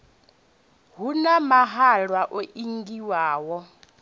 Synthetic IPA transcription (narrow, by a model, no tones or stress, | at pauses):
ɦunamaɦalwaʔoʔiŋɡiwaːwɔ